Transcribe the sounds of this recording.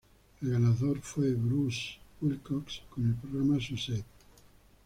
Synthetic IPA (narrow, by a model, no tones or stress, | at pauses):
elɣanaðoɾfweβɾusulkɔkskonelpɾoɣɾamasuset̪